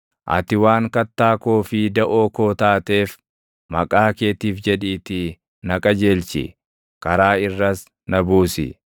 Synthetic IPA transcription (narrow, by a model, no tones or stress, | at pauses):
ʔɐ̰t̪ɪwaːŋkɐt̪ːaːkoːfɪd̪ɐʔoːko̞ːt̪aːt̪e̞ːf | mɐ̰kʼaːke̞ːt̪iːfd͡ʒɛᶑiːt̪ɪ | nɐkʼɐd͡ʒe̞ːlt͡ʃɪ̰ | kɐɾaːɪrːɐs | nɐbuːsɪ̰